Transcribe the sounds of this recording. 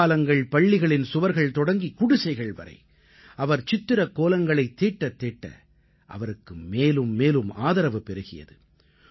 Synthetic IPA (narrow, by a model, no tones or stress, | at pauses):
lɐŋɡɐɭpɐɭːɪɣɐɭɪnsʊʋɐɾɣɐɭt̪ɔɽɐŋɡikʊɽɪsɐɪɣɐɭʋɐ̰ɾɐ̰ɪ | ɐʋɐɾt͡ʃɪt̪ːɪɾɐkːoːlɐŋɡɐɭɐɪt̪ːeːʈːɐt̪ːeːʈːɐ̰ | ʔɐ̰ʋɐɾɯkːɯmeːlɯmːeːlɯma̰ːðɐɾɐʋɯpɛɾɯɣɪ̰jɐ̰ðɯ